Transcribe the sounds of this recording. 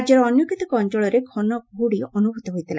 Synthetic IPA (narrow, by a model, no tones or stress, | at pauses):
d͡ʒjɔɾɔɔnjɔkit̪ikɔɔnd͡ʒɔɭɔɾeɡʱɔnɔɡuɽiɔnubʱut̪ɔɦojt̪ʰila